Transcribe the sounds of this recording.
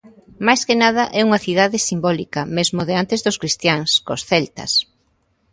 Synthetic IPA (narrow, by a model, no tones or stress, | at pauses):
majskɪnað̞ɐʔɛuŋɐθiðaðɪsimbɔlikɐmezmoðeant̪ezðʊskɾist̪jaŋskosθɛlt̪ɐ̰s